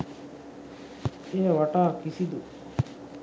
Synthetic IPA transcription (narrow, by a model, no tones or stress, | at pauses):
eːʋaʈaːkisid̪u